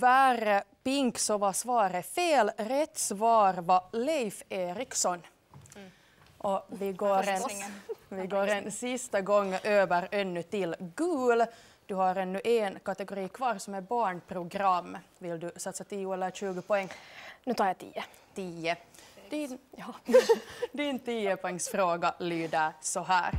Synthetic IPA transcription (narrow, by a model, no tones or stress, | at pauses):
ʋæːɾəpɪŋksɔʋɑsʋɑːɾəfeːlɾɛt̪sʋɑːɾʋɑlɛɪfeːɾɪksɔn | ʔɔʋɪɡoːɾ | ʋɪɡoːɾɛnsɪst̪əɡɔŋːʔøːʋəɾɛnːʉt̪ɪlɡʉːl | d̪̥ʉhɑɾɛnːʉʔeːnkɑt̪ɛɡʊɾiːkʰʋɑːɾsɔmɛbɑːɳpʰɾʊɡɾɑmːʋɪld̪ʉsɑt̪sət̪ʰiːʊɛlːəɾʃʉːɡəpɔɛŋːnʉːt̪ɑːɾjɑt̪ʰḭːə | t̪ʰiːəd̪ | d̪ɪnt̪iːəpɔɛŋsfɾoːɡɑlyːd̪əsɔɦæːɾ